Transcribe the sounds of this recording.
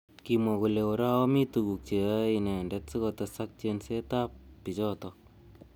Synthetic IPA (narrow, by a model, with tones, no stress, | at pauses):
kimwɔ˨ko˨le˨o˨ɾa˦ɔ˦mi˦tu˨ku˨k̚t͡ʃe˨˦i˨nɛ˨ndɛ˦tsi˦kɔ˧ta˧sa˦k̚t͡ʃe˧nse˦ta˦p̚pi˨t͡ʃɔ˦tɔk̚